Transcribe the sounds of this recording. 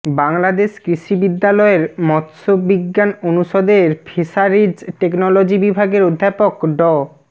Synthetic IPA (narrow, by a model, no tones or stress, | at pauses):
baŋlad̪eʃkɾiʃibid̪ːalɔeɾmɔt̪ʃobiɡːanonuʃod̪eɾfʰeʃaɾid͡ʑʈeknolod͡ʑibibʱaɡeɾod̪ʱːapokɖɔ